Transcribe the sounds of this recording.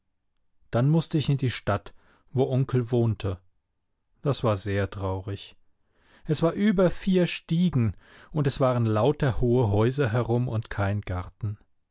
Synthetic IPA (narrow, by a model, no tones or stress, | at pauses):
d̥anmʊstəɪçɪndiːʃtat | voːʔʊŋkl̩voːntʰə | d̥asv̥aːɐzeːɐtʁ̥aʊʁɪç | ʔɛsv̥aːɐʔyːbɐfiːɐʃtiːɡŋ̩ | ʔʊntɛsv̥aːʁənlaʊtɐhoːəɦɔʏzɐɦɛʁʊmʊntkʰaɪnɡ̥aʁtn̩